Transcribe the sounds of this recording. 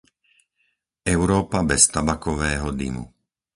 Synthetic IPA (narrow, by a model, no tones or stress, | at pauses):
ɛʊɾɔːpabɛst̪abakɔʋɛːɦɔd̪ḭmṵ